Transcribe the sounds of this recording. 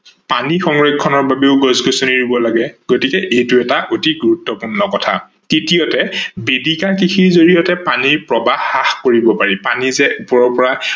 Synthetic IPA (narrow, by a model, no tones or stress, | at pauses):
panixɔŋɹekkʰːɔnɔɹbabeʊɡɔzɡosuniɹibɔlaɡɛɡ̥otikɛʔejtuɛtaʔotiɡuɹutːɔpuɹnɔkɔtʰa̰ | titijɔtɛbedikakixʰiɹzoɹijɔtɛpanipɹɔbaxːaxkoɹibɔpaɹipanizɛʔupɔɹɔɹpɔɹa